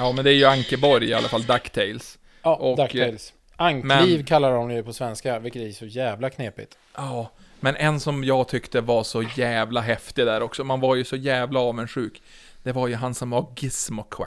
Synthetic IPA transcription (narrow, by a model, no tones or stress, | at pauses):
jɑːmɛnd̪ɛæɾjɵaŋkəbɔɾjɪa̰lʔafald̪akːt̪ʰɛɪls | ʔɔkd̪akɛls | aŋkmɛniːvkʰalːaɾɔmjɵpʰɔsvɛnskavɪlkːət̪æɛʂɔjæːvlakʰneːpɪ̰t̪ | ɑː | mɛnʔɛnsɔmjɑːɡt̪ʰʏkt̪əvaʂɔjæːvlaɦɛft̪ɪd̪æːɾɔksɔmanvaɾjɵsɔjæːvlaɑːvənʂʉ̟ːk | d̪̥ɛvaɾjɵɦansɔmvaɾɡɪsmɔkʰːɛ̰